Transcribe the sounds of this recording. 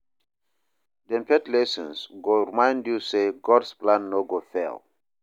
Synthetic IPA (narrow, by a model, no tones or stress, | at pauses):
dɛ̃mpʰɛtlɛsɔ̃nsɡoɹimãj̃ndjuseɡɔdsplãnːoɡofḛl